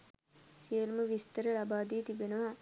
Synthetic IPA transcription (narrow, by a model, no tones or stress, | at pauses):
sijəlməʋist̪əɾəlabaːd̪iːt̪ibenəʋa